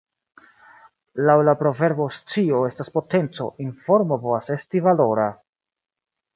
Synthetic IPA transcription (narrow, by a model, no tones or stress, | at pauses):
lawlapɾo̞ve̞ɾbo̞st͡sio̞e̞staspo̞te̞nt͡so̞̰ʔinfo̞ɾmo̞po̞vase̞stivalo̞ɾa